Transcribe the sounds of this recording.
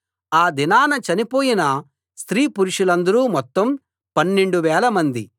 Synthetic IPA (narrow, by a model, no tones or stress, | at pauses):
aːd̪inaːnɐt͡ʃɐnipoːjinɐ | st̪ɾiːpuɾuʂulɐnd̪ɐɾuːmɔt̪ːɐm | pɐnːe̞ɳɖuʋɛːlɐmɐnd̪i